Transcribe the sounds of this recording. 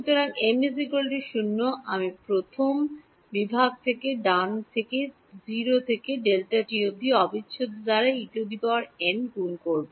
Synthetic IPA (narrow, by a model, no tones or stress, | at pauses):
ʃut̪oɾaŋemnisikolʈiʃunːoʔamipɾot̪ʰom | bibʱaɡ̚t̪ʰekeɖant̪ʰeke | d͡ʑiɾot̪ʰekeɖelʈaʈiɾod̪ʱiɔbitːɕʰod̪od̪aɾaiʈod̪ipawaɾenkunkoɾbo